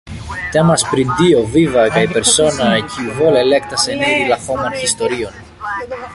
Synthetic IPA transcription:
t̪emɐspɾind̪io̞vivɐɣɐipe̞ɾso̞nɐecʰiuvo̞lele̞k̚t̪ɐseniðilɐxo̞mençist̪o̞ɾio̞n

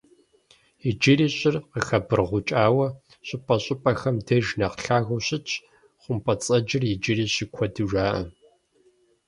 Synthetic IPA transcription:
jɪd͡ʒɪriːɕʼɪrqəxɐbɨrʁʷʊt͡ʃʼaːwɐ | ɕʷʼɪpʼɐɕʼɪpʼɐxɐmdɐʒnɐqɬaːɣʷʊɕɪt͡ʃʰ | χʷʊmpʰʼɐt͡sʼɐd͡ʒɪrjɪd͡ʒɪriːɕɪkʷʰɔdɨʒʷaːʔɐ̰

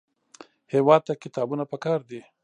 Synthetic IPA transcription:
hewɑd̪̚t̪akɪt̪ɑbunapəkɑɾd̪i

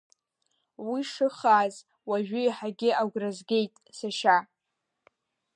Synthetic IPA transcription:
wiʂɨχaz | waʒᶣʏjħaɡʲɪʔaɡʷrazɡʲe̞jtʼsaʃa

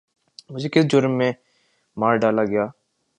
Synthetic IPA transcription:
mʊd͡ʒʱekɪsd͡ʒʊɾmːẽ | maːɾɖaːlaɡɐjaː

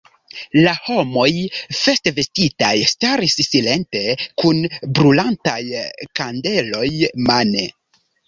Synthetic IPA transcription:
laho̞mo̞jfesteve̞stitajstaɾisːile̞nte̞kunbɾulantajkande̞lo̞jmane

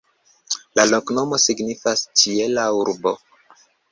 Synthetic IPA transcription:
lalo̞kno̞mo̞siɡnifast͡ʃielauɾbo

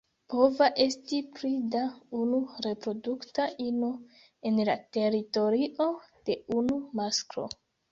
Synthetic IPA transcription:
po̞vaʔe̞stipɾidaunuɾe̞pɾo̞duktaʔino | e̞nlate̞ɾito̞ɾiʔo̞d̥e̞unumaskɾo̞̰

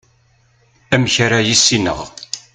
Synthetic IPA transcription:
æməçɾajisːinə̰ʁ

